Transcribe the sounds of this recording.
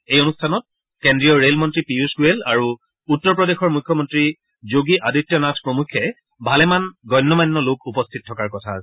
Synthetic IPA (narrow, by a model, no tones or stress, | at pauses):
ejonustʰanɔt̚ | kendɹijɔɹelmɔntɹipiuskuela̰ɹu | utːɔɹpɹɔdexɔɹmukʰːɔmɔntɹi | zoɡiʔaditːjɔnatʰpɹomukʰːɛ | bʱalɛmanɡɔjnːɔmajnːɔlokʰupɔstʰit̚tʰːɔkaɹkɔtʰas